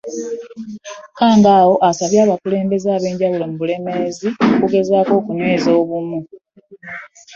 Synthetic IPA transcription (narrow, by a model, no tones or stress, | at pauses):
kaːŋɡaːwo̞ʔasaβjaːβakule̞ːmbe̞zaːβe̞ːɲɟawulo̞muβule̞me̞ziokuɡe̞zaːko̞ːkunwe̞ːzoːβumu